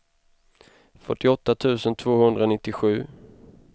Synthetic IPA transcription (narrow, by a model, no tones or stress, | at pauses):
fœʈːɪɔt̪ːat̪ʰʉ̟ːsənt̪ʰvoːhɵnd̪ɾaɔnɪt̪ːɪɧʉ̟ː